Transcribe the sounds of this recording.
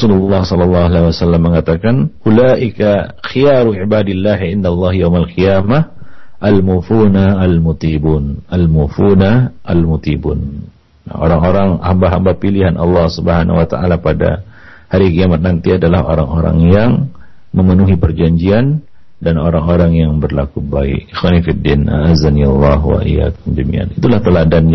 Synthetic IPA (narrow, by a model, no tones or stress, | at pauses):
ɑsululːɑhsɔlɑlːɑalauwasalːamːəŋat̪akanulaʔikaxijaɾuibadilːaɦʕɪndalˠˤːɑhjawmalqiamahʔalmufunaalmut̪ibuːnalmufunaʔalmut̪ibṵnː | a̰o̰ɾaŋoɾaŋha̰mbaɦambapiliɦanʔɑ̰lːɑhsubəɦanawat̪aʔalapada̰ | haɾikiamat̪̚nant̪iadalaho̰ɾaŋoɾa̰ŋjaŋ | məmənuɦipərd͡ʒaɲd͡ʒian | danoɾaŋoɾaŋjaŋbərlakubaɪ̰ʔixwanifidːinʔa̰ʔazanialˠˤːɑɦwa̰ʔḭja̰kʊmd͡ʒəmḭa̰nit̪ulaht̪əladan